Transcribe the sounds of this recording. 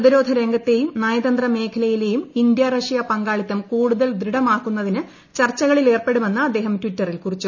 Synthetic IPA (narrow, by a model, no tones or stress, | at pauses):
ðiɾo̞ːd̪ʱɐɾe̞ŋɡɐt̪ːe̞jumnaːjɐðɐnd̪rɐme̞ːkʰɐlɐjile̞jumind̪jarɐʂijɐpɐŋɡaːɭit̪ːɐmkuːɽuðɐld̪ɾiɽɐmaːkːunːɐðinɨ | t͡ɕɐrt͡ɕːɐɣɐɭile̞ːrpe̞ɽume̞nːɨɐd̪ːe̞ːɦɐmtʋitːɐrilkurit͡ɕːu